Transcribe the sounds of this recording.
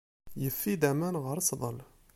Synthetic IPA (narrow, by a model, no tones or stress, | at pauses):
jəfːid̪æmænɣəɾsˤðˤəl